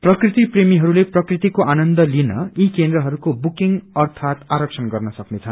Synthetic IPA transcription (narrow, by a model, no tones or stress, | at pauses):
prʌkrit̪ipremiɦʌɾuleprʌkrit̪ikoʔanʌnd̪ʌlinʌikend̪ɾʌɦʌɾukobukiŋɡʌrt̪ʰat̪aɾʌk̚t͡sʰʌnɡʌrnʌsʌknet͡sʰʌn